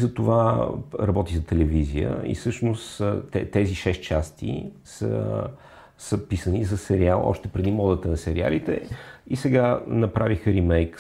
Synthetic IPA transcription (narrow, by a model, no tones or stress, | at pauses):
zɐt̪ovaɾɐbɔt̪izɐt̪ɛlɛvizijə̰ḭsɤʃnost̪ɛt̪ɛziʃɛst̪t͡ʃast̪ʰḭ | sə̰ | səpisənizɐsɛɾialˠɔ̰ʃt̪ɛpɾɛd̪imɔd̪ət̪ənɐsɛɾia̰lit̪ɛ̰isɛɡanɐpɾavixəɾimɛjk